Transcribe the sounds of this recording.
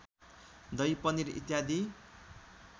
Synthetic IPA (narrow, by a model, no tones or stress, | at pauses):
d̪ʌjpʌniɾḭt̪jad̪i